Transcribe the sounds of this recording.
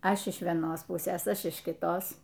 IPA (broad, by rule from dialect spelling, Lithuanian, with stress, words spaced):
ˈɐʃ ɪʃ ʋʲiɛˈnoːs ˈpʊsʲeːs ˈɐʃ ɪʃ kʲɪˈtoːs